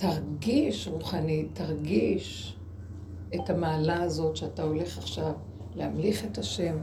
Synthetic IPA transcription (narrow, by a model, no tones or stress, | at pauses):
taʁɡiʃʁuχanitːaʁɡiʃ | etamaːlaːzo̞tʃeatao̞le̞χaχʃav | lehamliχe̞taʃe̞m